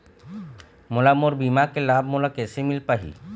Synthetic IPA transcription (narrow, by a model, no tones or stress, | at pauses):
molamoɾbimakelab̚ʱmolakɛsemilpaɦḭ